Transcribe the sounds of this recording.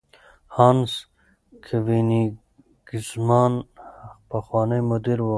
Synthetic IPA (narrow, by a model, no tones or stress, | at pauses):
hɑːns | kʰəvini | ɡ̥ismɑːnpaxwɑːnəjmʊd̪iɾwo